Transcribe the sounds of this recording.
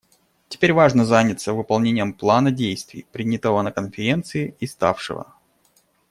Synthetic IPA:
tʲɪ̥pʲeɾʲvaʐnəzanʲɪt̪səvɨpɐlˠnʲenʲɪjəmplˠanədʲejst̪vʲɪ̰jpɾʲɪnʲɪt̪əvənəkənfʲɪɾʲe̞nt̪sɨɪɪst̪a̰fʂɨ̰və̰

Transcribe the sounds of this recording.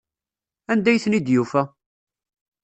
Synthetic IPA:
ænd̪æjθnid̪jufæ

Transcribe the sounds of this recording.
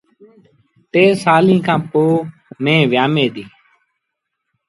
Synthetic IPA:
t̪eːsaːlĩːkʰãːpoːmẽːʋɪjaːmeːt̪iː

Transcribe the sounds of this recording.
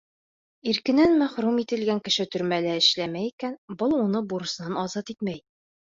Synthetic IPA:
iɾkɘ̆nænmæχɾumit̪ɘ̆lɡæŋkɘ̆ʃɘt̪ɵ̆ɾmælæɘ̆ʃlæmæikænbɤlˠunɤbuɾɤ̆snɑnɒzɑt̪it̪mæj

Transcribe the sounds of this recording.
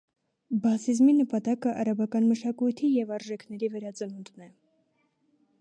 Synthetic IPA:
bɑsizminəpɑt̪ɑkəʔɑɾɑbɑkɑnməʃɑkujt̪ʰijɛvɑɾʒɛkʰnɛɾivɛɾɑt͡sənund̪nɛ

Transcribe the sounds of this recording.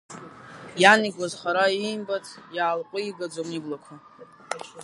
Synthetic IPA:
janiɡʷazχaɾainbatʰjaːlqʷʼʊiɡad͡zomiblakʷʰa

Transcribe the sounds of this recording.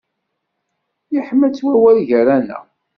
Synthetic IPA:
jiħmːət͡sːwæwælʝɾænæ̰

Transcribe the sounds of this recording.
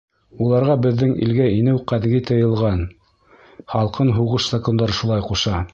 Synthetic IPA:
ulˠɑɾʁɑbɘ̆ðːɘŋḭlɡæinɘwqæðɡit̪ɤ̆jɤ̆lˠʁɑn | χɑlˠqɤnɦuʁɤʃz̥akond̪ɑɾʃulˠɑjquʃɑ

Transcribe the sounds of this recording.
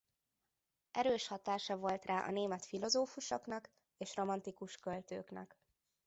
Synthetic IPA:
ɛɾøːʃhɒt̪aːʃɒvo̞lt̪raːʔɒ̰neːmɛt̪filo̞zoːfuʃo̰knɒk | eːʃro̞mɒnt̪ikuʃkølt̪ø̰ːknɛ̰k

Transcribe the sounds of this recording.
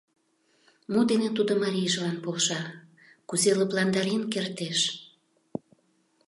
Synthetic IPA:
mud̪enet̪ud̪ŏmɑɾʲijʒlɑnpolʃɑ | kuzeləplɑnd̪ɑɾinkert̪eʃ

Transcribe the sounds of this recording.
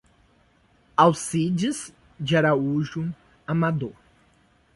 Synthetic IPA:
awsid͡ʒiz | d͡ʒɪaɾauʒu | amad̪o

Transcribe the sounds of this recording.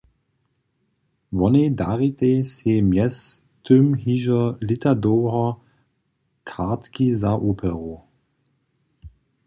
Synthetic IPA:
vɔnedaʁit̪ʼesemjɛs | tʰømhiːʒɐlit̪ʰadoːʁɐ | kʰaʁtkizaʔoːpʰɛʁo

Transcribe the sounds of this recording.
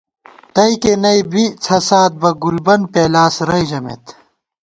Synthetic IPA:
t̪ɐikenɐibit͡sʰɐsaːt̪̚bɐɡulbɐnpeːlaːsɾɐid͡ʑɐmḛt̪

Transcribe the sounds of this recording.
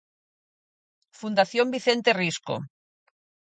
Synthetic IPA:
fund̪aθjombiθent̪erisko̰

